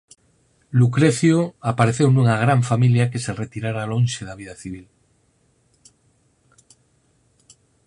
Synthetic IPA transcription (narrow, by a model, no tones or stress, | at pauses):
lukɾeθjoapaɾeθewnuŋaɣ̞ɾaɱfamiljakese̞ret̪iɾaɾalõnʲʃeðaβiðaθiβ̞il